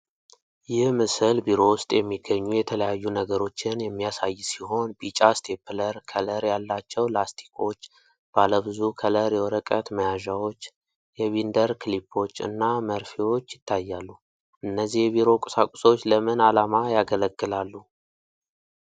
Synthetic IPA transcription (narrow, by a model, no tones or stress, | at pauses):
jɪhmɨsɨlbiɾo̞wʊst̪ʼjɛmːiɡəɲːujɛt̪ʰələjajːunəɡəɾo̞t͡ʃːɪnjɛmːijasajːsiho̞nbit͡ʃʼast̪ʰepʰləɾkʰələɾjalːat͡ʃːɛwlast̪ʰi̥kʰo̞t͡ʃː | b̥aləβɨzukʰələɾjɛwɔɾəkʼət̪məjaʒawo̞t͡ʃː | jɛβind̪əɾkʰɨlipʰːo̞t͡ʃːɨ̰nːaməɾfiwo̞t͡ʃːjɪt̪ʰːajːalːu | ʔɨnːəzːihbiɾo̞kʼɨ̥sakʷʼu̥sot͡ʃːləmɨnalamajaɡələɡːɨlalːu